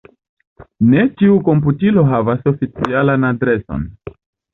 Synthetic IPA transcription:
ne̞t͡ʃiuko̞mp̬utilo̞ɦavaso̞fit͡sialanadɾe̞so̰n

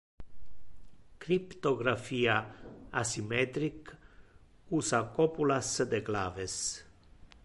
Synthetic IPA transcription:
kɾipt̪oɡɾafijaasimet̪ɾik | usakopulasəd̪eɡlaves

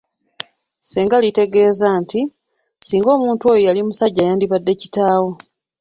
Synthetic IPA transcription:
seːŋɡalite̞ɡe̞ːzaːnti | siːŋɡo̞ːmuːntuo̞ːjojalimusaɟːajaːndiβadːe̞ci̥taːwo̞

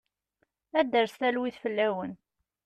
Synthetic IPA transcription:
æd̪əɾst̪ælwiθfəlːæwən

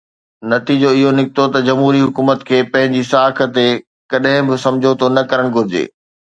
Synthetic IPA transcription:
nɐt̪id͡ʑoɪɦonɪkɪt̪ot̪ɐd͡ʑɐmɦuːɾiɦʊkuːmət̪kʰeːpɐ̃ɦɪ̃ɲd͡ʑisaːkʰə̆t̪e | kɐɗɦɪ̃bɪsɐ̃md͡ʑʱot̪ʰonɐkɐɾəɽ̃ɡʱʊɾɪd͡ʑḛː

